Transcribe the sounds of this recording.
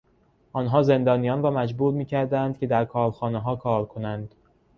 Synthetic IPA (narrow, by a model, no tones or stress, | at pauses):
ʔɒːnɦɒːze̞nd̪ɒːnijɒːnvɒːmæd͡ʒbuːɾmiːcʰæɾd̪ænd̪̥cʰʲe̞d̪æɾkʰɒːɾxɒːneɦɒːkʰɒːɾkʰo̞nænd̪̥